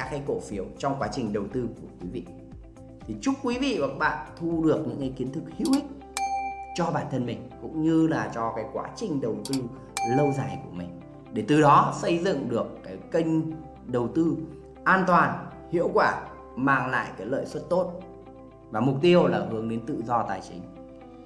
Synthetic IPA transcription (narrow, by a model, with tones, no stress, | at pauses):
a˨˦aː˨˧˦jko˧˩fi˨˦əwt͡ɕɔ˧wŋ͡mkwaː˨˦t͡ɕï˨˩ŋ̟ɗə˨˩wt̪ɨ˧ku˧˩əkwi˨˦vḭ˧˨ | t̪ʰi˨˩t͡ɕʊ˦˥k͡p̚kːwi˨˦vḭ˧˨va˨˩k̚ɓa̰ː˧˨nt̪ʰu˧ɗɨ˨˩ək̚ɲɨ̰˧˥ŋkaː˨˦jki˨˦nt̪ʰɨ˦˥k̚hḭ˧˥əwhï˦˥k̚ | t͡ɕɔ˧ɓaː˧˩nt̪ʰə˧nmï˨˩ŋ̟kʊ̰˧˥ŋ͡mɲɨ˧laː˨˩t͡ɕɔ˧kaː˨˦jkwa̰ː˨˦t͡ɕï˨˩ŋ̟ɗə˨˩wt̪ɨ˧ | lə˧wzaː˨˩jku˧˩əmï˨˩ŋ̟ | ɗe˧˩t̪ɨ˨˩ɗɔ˨˦sə˧jzɨ̰˧˨ŋɗɨ˨˩əkːaː˨˦jkə˧jŋ̟ | ɗə˨˩wt̪ɨ˧ | ʔaː˧nt̪waː˨˩n | hḭ˧˨əwkwaː˧˩ | maː˨˩ŋla̰ː˧˨jkaː˨˦jlə̰ː˧˨jswə˦˥t̚t̪o˦˥t̚ | vaː˨˩mʊ˨˩k͡p̚t̪i˧əwlaː˨˩ɦɨ˨˦əŋɗe˨˦nt̪ɨ̰˧˨zɔ˧t̪aː˨˩jt͡ɕï˨˦ŋ̟